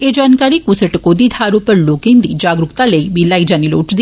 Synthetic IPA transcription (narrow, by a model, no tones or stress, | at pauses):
ed͡ʒaːnkaːɾikusəʈkod̪id̪ʱaːɾupəɾloːkẽnd̪ḭd͡ʒaːɡɾukt̪aləibilaːid͡ʒaniloːʈd̪i